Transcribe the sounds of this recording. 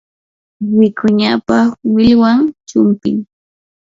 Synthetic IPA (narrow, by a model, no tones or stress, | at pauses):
wɪkʊɲapawɪʎwaŋt͡ʃʊmpɪŋ